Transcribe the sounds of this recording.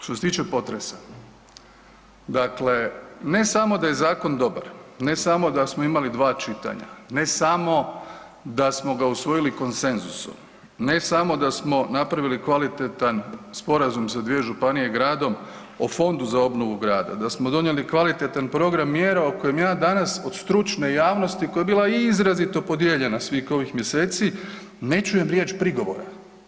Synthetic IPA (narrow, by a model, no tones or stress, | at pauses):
t̪oset̪iːt͡ʃe̞po̞t̪ɾesa | d̪akle̞ne̞samo̞d̪ajezaːko̞nd̪o̞ba̰ɾne̞samo̞d̪asmoimalid̪ʋaːt͡ʃit̪a̰ɲa̰ne̞samo̞ | d̪asmo̞ɡausʋo̞jiliko̞nse̞nzuso̰m | ne̞samo̞d̪asmo̞napɾaʋilikʋalit̪et̪anspo̞ɾazumsad̪ʋie̞ʒupanije̞ɡɾaːd̪o̞m | ofo̞nd̪uzao̞bno̞ʋuɡɾaːd̪a̰d̪asmo̞d̪o̞njelikʋalit̪e̞t̪anpɾo̞ɡɾamːjeɾaoko̞jemjaːd̪anaso̞d̪̥st̪ɾut͡ʃne̞jaːʋno̞st̪iko̞jaebiːlˠaiizɾazit̪o̞po̞d̪je̞ʎe̞nasʋixo̞ʋixmje̞se̞ːt̪si | ne̞t͡ʃuje̞mɾjet͡ɕpɾiɡo̞ʋo̞̰ɾa